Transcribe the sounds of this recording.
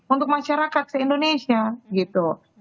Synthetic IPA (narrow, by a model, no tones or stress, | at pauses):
unt̪ʊk̚maʃaɾakat̪̚səindonesiaɡit̪u